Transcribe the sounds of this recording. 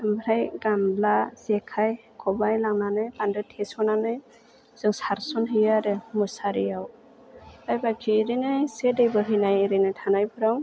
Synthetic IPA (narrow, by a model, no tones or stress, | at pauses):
mɾajɡamblasɛkʰaj | kʰɔbajlaŋnanɯjpandɯtʰɛsɔnanɯj | z̥ɯŋsaɾsɔnɦɯjaɾɯmɯsaɾijaw | ajbakʰiɾinɯjsedejbɯɦɯjnajɾɯnɯtʰanajbʰɯɾaw